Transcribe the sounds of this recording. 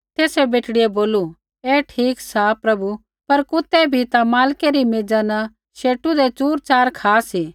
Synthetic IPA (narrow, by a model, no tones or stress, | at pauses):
t̪eːsɛbeːʈɽɪeboːlu | eːʈʰiːksaːpɾɐbu | pɐɾkʊt̪ɛbʱit̪amaːlkeɾimeːd͡ʒanɐ | ʃeːʈːud̪et͡ʃuːɾt͡ʃaːɾkʰaːsiː